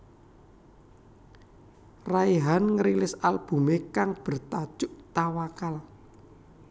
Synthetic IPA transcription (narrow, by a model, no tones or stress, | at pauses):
raiɦanŋəɾilɪsalb̥ṳmekaŋb̥ə̤rt̪ad̥ʒ̥ʊʔt̪awakal